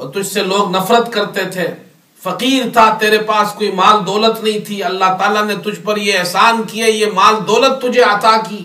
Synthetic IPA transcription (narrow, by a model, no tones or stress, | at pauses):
ɔːɾt̪ʊd͡ʒʱseloːɡnɐfɾət̪kɐɾt̪et̪ʰeː | fɐqiːɾt̪ʰat̪eːɾepaːskoːimaːld̪ɔːlət̪nɐɦĩt̪ʰiɐlːaɦt̪aːlanet̪ʊd͡ʒʱpɐɾjeɛɦsaːnkiejemaːld̪ɔːlət̪ːʊd͡ʒʱeɐt̪akiː